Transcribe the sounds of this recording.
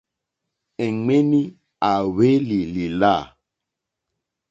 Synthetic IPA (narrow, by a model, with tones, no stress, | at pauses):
ɛ˨ŋ͡me˦ni˦ | a˨we˦li˨li˨la˦˨